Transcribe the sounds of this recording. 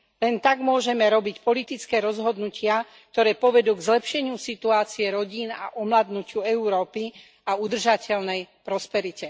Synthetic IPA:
lɛnt̪aɡmʊɔʒɛmɛɾɔbicpɔlit̪it͡skɛːɾɔzɦɔd̪nucʰɪa | k̚t̪ɔɾɛːpɔʋɛd̪uːɡzlɛpʃɛɲɪusit̪uaːt͡siɛɾɔɟiːna̰ʔɔmlaːd̪nucɪuɛuɾɔːpi | aud̪r̩ʒacɛʎnɛjpɾɔspɛɾicɛ

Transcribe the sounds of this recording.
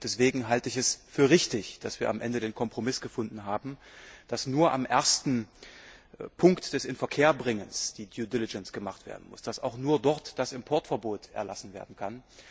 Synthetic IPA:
d̥ɛsv̥eːɡŋ̩ɦaltəɪçɛsfyːɐʁɪçtɪçd̥asv̥iːɐʔamʔɛndədeːnkʰɔmpʁ̥omɪsɡ̥əfʊndn̩ɦaːbm̩d̥asnuːɐʔa̰mʔeɐstn̩ | pʰʊŋktd̥ɛsɪnfɛɐkʰeːɐbʁɪŋənsd̥iːdjudɪlɪd͡ʒɛnsɡ̥əmaχtv̥ḛɐdn̩mʊ̰sd̥asaʊxnuːɐdɔɐtd̥asɪmpʰɔɐtfɛɐboːtʔɛ̰ɐlasn̩veːɐdn̩kʰan

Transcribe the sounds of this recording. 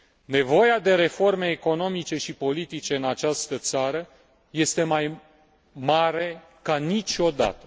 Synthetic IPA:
ne̞vo̞jad̪e̞ɾe̞fo̞rme̞ːko̞no̞mit͡ʃe̞ʃipo̞lit̪it͡ʃe̞ɨnat͡ʃast̪ət̪saɾə | je̞st̪e̞maj | maɾe̞ | kanit͡ʃo̞d̪a̰t̪ə

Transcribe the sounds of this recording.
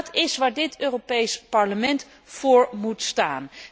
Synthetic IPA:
tʰɪsʋaːɹdɪtøːropejspɑɹləmɛnt | fʊːɹmutstaːn

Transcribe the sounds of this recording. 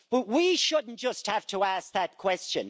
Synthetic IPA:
b̥ʌt̚wiʃʊdⁿn̩d̥ʒ̥ʌst̚həftʰəæsk̚ðɨt̚kʰw̥ɛst͡ʃɨ̰̃n

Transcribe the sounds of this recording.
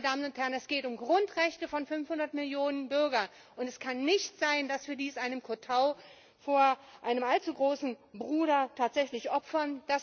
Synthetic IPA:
ədaːmənʊnthɛɐʁənɛsɡ̥eːtʊmɡʁʊntʁɛçtəfɔnfʏnfhʊndɐtmɪljoːnənbʏɐɡɐ | ʔʊntɛskʰanːɪçtz̥aɪndasv̥iːɐdiːsʔaɪnəmkʰotʰaʊ | foːɐʔaɪnəmalt͡suɡʁoːsn̩bʁuːɾɐtʰaːtz̥ɛçlɪçʔɔpfɐnd̥as

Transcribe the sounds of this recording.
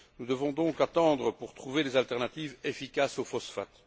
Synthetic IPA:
nud̪əvɔ̃d̪ɔ̃kat̪ɑ̃d̪ʁəpuʁt̪χuved̪ezalt̪ɛʁnat̪iːvefikʲasofɔsfat̪

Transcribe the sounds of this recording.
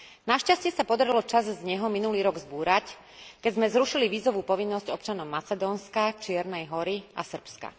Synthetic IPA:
naʃcascɪɛsapɔd̪aɾilɔt͡ʃazzɲɛɦɔminuliːɾɔɡzbuːɾac | kɛɟzmɛzɾuʃiliʋiːzɔʋuːpɔʋinːɔzɟɔp̚t͡ʃanɔʊmat͡sɛd̪ɔːnskat͡ʃɪɛɾnɛjɦɔɾia̰sr̩pska̰

